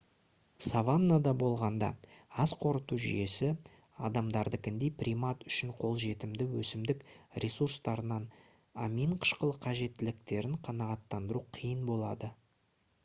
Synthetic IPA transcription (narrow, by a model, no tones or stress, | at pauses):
savanːad̪ɑbo̞lˠʁɑnd̪ɑ̰ | ɑsqʰo̞ɾət̪uʒʏ̰je̞sɪ | ɑ̰d̪ɑmd̪ɑɾd̪əkʲɪnd̪ejprʲimat̪ʏ̥ʃɪɴqʰo̞lˠʒe̞t̪ɪmd̪ɪwɵsɪmd̪ɪkɾʲe̞surst̪ɑɾənɑn | ɑmiɴqʰə̥ʃqəlˠəqʰɑʒe̞t̪ːɪlɪk̚t̪e̞ɾɪŋqʰɑnɑʁɑt̪ːɑnd̪əɾuqʰəjənbo̞lˠɑd̪ə